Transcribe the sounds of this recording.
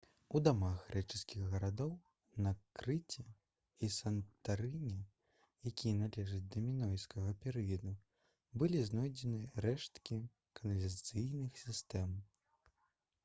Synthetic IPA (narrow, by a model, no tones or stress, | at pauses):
ud̪amaxɣɾɛt͡ʂɨskʲiɣɣɐɾad̪ɔw | nakɾɨt͡sʲɛ | isɐnt̪aɾɨnʲɛ | jakʲijɛnalʲɛʐɐt͡sʲd̪ɐmʲinɔjskɐɣɐpʲɛɾɨjɐd̪u | bɨlʲiznɔjd͡zʲɛnɨɾɛʂt̪kʲi | kɐnɐlʲɐt̪sɨjnɨxsʲist̪ɛm